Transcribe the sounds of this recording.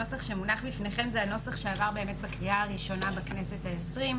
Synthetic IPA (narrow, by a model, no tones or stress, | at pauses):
o̞saχʃe̞munaχbifneχe̞mzeano̞saχʃeavaʁbe̞eːme̞t̚bakviaaʁiʃo̞nabaknese̞thaesʁim